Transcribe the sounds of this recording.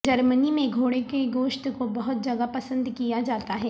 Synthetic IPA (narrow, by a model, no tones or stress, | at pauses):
d͡ʒɐɾmənimẽɡʱoːɽekeɡoːʃʈ̪kobɐɦʊt̪̚d͡ʒɐɡapɐsə̃nd̪kijad͡ʒaːt̪aɦɛː